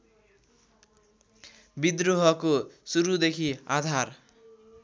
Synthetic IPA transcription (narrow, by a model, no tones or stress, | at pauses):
bid̪ruɦʌkosuɾud̪ekʰiad̪ʱar